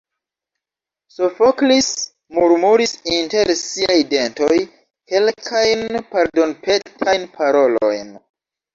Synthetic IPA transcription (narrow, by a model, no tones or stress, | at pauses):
sofoklis | muɾmuɾisinte̞ɾsiajde̞nto̞j | ke̞lkʰajnpaɾdo̞npʰetʰajnpʰaɾo̞lo̞̰jn